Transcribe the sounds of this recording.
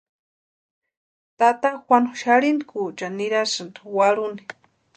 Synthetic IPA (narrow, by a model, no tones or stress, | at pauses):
t̪at̪axwʷanʃaɾinikut͡ʃaniɾasɨnd̪uwaɾuni̥